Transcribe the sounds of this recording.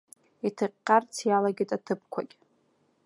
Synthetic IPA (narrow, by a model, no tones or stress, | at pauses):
itʰɨqʲːart͡sʰjalaɡʲitʼatʰɨp̚ʰkʷʰakʲʼ